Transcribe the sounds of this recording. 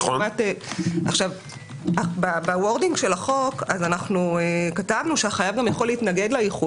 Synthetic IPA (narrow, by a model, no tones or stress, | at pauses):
mateʔaχʃav | ababawo̞ʁdiŋɡʃe̞laχo̞kazanaχnuekatavnuʃeaχajavɡamjaχo̞leitnaɡe̞dlajiχu